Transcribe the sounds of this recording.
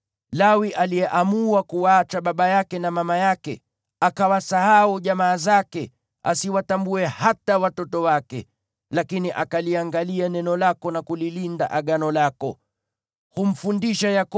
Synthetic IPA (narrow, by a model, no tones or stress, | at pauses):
lawiʔaliɛʔamuakuat͡ʃaɓaɓajakɛnamamajakɛ | akawasaɦauʄamaːzakɛ | a̰siwatambuɛhatawatɔtɔwakɛ̰ | lakiniʔakaliaŋɡalianɛnɔlakɔnakulilinda̰ʔaɠanɔlakɔ | hum̩fundiʃajak